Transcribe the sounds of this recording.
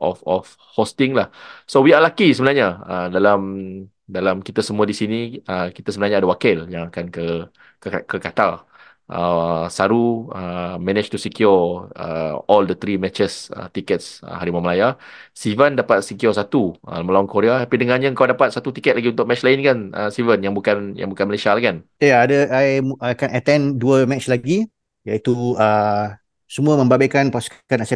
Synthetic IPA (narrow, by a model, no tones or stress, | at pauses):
ɔ̰fɔf | host̪ɪŋlahsowialakisəbənarɲaədalam | dalamkit̪asəmũadisiniəki̥t̪asəbənaɲaːdawakɪljãŋakankə | kkəkat̪ar | ʔə̰saɾuəmɛ̃nɪt͡ʃt̪usikjɔə̰ɔldət̪ɾimɛt͡ʃəsə̰t̪ikət̪̚sə̰haɾimaməlajasivəndapat̪̚sikjɔsat̪uə̰məlawaŋkoɾeat̪apidəŋãɲaəŋkawdapat̪̚sat̪ut̪ikɛt̪̚laɡiunt̪ʊk̚mɛt͡ʃlaɪnkanə̰sivənjaŋbukanja̰ŋbukanməlasialakan | jaadəajajkɛnət̪ɛ̃nduəmɛt͡ʃlaɡi | jait̪uə | səmuəmə̃mbabekanpasu̥kkanasɛ